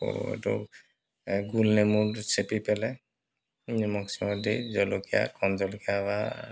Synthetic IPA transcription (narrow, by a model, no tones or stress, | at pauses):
o̰ḛtɔ̰ | ɡulnɛmuɹsepipɛlɛ | nmɔksimɔdizɔlokia̰kʰɔnzɔlkiaba